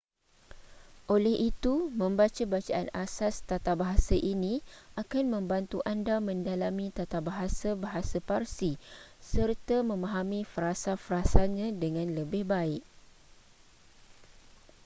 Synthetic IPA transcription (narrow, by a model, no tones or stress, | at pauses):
ʔolɛhit̪umə̃mbat͡ʃabat͡ʃaʔa̰nasast̪at̪abaɦasaʔinĩakanmə̃mbant̪uʔandamə̃ndalamĩt̪at̪abaɦasabaɦasaparsisərt̪amə̃mãɦamĩfəɾasafəɾasaɲãdəŋãnləbɪhbaɪʔ